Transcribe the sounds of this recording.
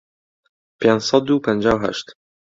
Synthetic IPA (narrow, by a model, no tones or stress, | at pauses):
pʰend͡ʒsɑd̪̚d̪uːpʰɛnd͡ʒaːwɦæ̰ʃt̪